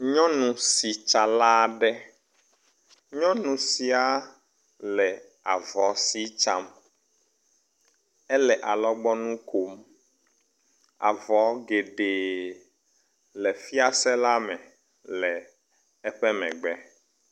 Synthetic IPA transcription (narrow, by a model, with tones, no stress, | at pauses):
ɲɔ̃˦nũ˨si˨t͡ʃa˨la˦ɖɛ˦ | ɲɔ̃˦nũ˨si˨a˨ | lɛ˨ | a˨vɔ˨si˦t͡ʃa˦m | ɛ˦lɛ˨ʔa˨lɔ˦ɡ͡bɔ˦nũ˦kʰo˨m | a̰˨vɔ˨˦ɡe˨ɖe˨ | lɛ˨fi˦a˦sɛ˦la˦mɛ̃˨ | lɛ˨ | ɛ˦ɸɛ˦mɛ̰̃˨ɡ͡bɛ˦